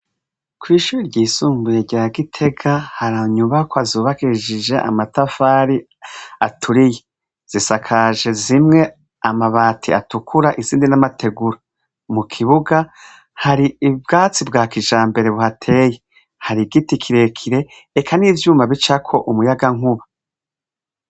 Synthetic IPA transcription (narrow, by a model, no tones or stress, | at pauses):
kwiːʃuːɾiɾɟiːsuːmbujeɟaaɡitʰe̞ɡahaɾaɲuβakoazuːβakiʒid͡ʒe̞ʔa̰matafaɾi | atʰuɾije | z̥isakʰaʒe̞zimŋe̞ | amaβaːtʰḭa̰tukʰuɾaʔiziːndinamatʰe̞ɡuɾa | mukʰiβuɡa | haɾiːb̚ɡaːt͡sibɡaːkiʒaːmbe̞ɾe̞βuhatʰe̞ːje | haɾiɡitikʰiɾe̞kʰiɾe̞ː | kʰaniːvjuːmaβit͡ʃakʰo̞ʔumujaɡaŋuβa